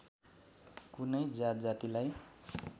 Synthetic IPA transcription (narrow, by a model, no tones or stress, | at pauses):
kunʌjd͡zat̪d͡zat̪ilaj